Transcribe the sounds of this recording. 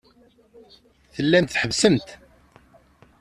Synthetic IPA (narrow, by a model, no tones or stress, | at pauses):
θəlːæmt̪θħəvsəmt̪